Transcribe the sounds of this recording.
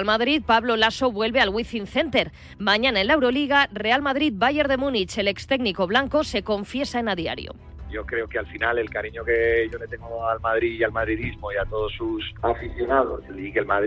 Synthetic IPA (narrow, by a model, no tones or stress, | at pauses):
lmaðɾit̪̚paβlo̞laso̞βwe̞lβealɣwiθinθe̞nt̪e̞ɾ | maɲanae̞nlaewɾo̞liɣ̞are̞almaðɾid̪̚baʝe̞ɾðe̞mũnit͡ʃe̞le̞kst̪e̞ɡniko̞βlaŋko̞se̞ko̞ɱfje̞saenaðia̰ɾj̰o̰ | ɟ͡ʝo̞kɾe̞okealfinale̞lkaɾiɲoke̞ʝo̞le̞t̪e̞ŋɡoalmaðɾiialmaðɾiðizmo̞iat̪o̞ð̞osːusafiθjo̞naðo̰slikelma